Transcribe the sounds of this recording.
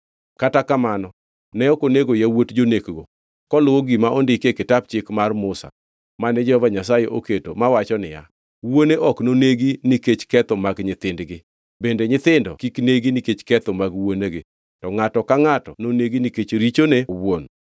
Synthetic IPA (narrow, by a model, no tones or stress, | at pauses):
katakamanɔ | nɛɔkoneɡojawotd͡ʒonekɡo | kɔlʊwoɡimaʔondɪkekɪtap̚t͡ʃɪkmarmʊsa̰ | manɛd͡ʒɛhɔvaɲasajeʔoketo̰mawat͡ʃɔnɪ̰ja̰ | woneʔɔknoneɡinɪket͡ʃkɛt̪ɔmaɡɲɪt̪ɪndɡɪ | bendeɲɪt̪ɪndɔ̰kikneɡiniket͡ʃkɛt̪ɔmaɡwoneɡɪ | tɔŋatɔkaŋatɔnoneɡiniket͡ʃɾit͡ʃonewwon